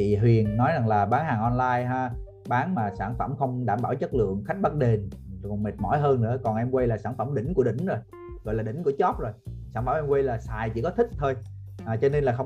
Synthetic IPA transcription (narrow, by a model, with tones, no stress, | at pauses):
i˨˩ɦwi˨˩ənːɔ˨˦jza˨˩ŋlaː˨˩ɓaː˨˦ŋhaː˨˩ŋʔɔ˧nlaː˧jɦaː˧ | ɓaː˨˦nmaː˨˩saː˧˩nfə˧˩mxə˧wŋ͡mɗaː˧˩mɓaː˧˩wt͡ɕə˦˥t̚lɨ̰˧˨əŋxa˦˥k̟̚ɓa˦˥k̚ɗe˧˩n˨kɔ˨˩mi˨˩t̚mɔ̰˧˥˦jɦəː˧nnɨ̰˧˥əkɔ˨˩nʔɛ˧mkwə˧jlaː˨˩saː˧˩nfə˧˩mɗï˧˩ŋ̟ku˧˩əɗï˧˩˨ŋ̟zo˨˩j | ɣɔ̰˧˨jlaː˨˩ɗï˧˩ŋ̟ku˧˩ət͡ɕɔ˦˥p̚zo˨˩jsaː˧˩nfə˧˩mʔɛ˧mkwe˧jlaː˨˩saː˨˩jt͡ɕḭ˧˥kɔ˨˦t̪ʰï˦˥k̚t̪ʰo˧j | ʔaː˨˩t͡ɕɔ˧ne˧nlaː˨˩xə˧w